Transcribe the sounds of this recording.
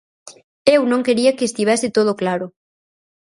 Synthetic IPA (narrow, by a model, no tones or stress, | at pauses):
ewnõŋkeɾiakeːst̪iβ̞ɛsɪt̪oð̞oklaɾʊ